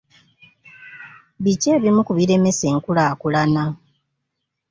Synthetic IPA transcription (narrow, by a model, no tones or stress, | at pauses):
βice̞ːβimukuβiɾe̞me̞se̞ːŋkulaːkulana